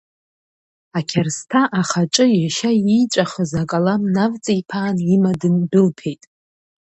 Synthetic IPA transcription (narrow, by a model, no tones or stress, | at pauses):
akʲʰarstʰaʔaχaʈ͡ʂʼɨjaʃajijt͡ʃʷʼaχəzakʼalamnavt͡sʼijpʰaːnimadɨndɨlpʰe̞jtʼ